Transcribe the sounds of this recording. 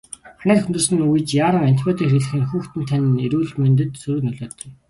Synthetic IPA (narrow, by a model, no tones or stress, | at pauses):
χanæːtxɵnt̪ɵ̆ːsɘ̆nuj̆t͡ɕjaːɾə̆ŋan̥t̪ʰpʲet̪iːkriːɮɘ̆xɘ̆nxuːxt̪ɘ̆nt̪ʰanʲeɾuːɮmœnt̪̬ɘ̆t̪sɵɾɵ̆knɵɮɔːt̪ɞ̆j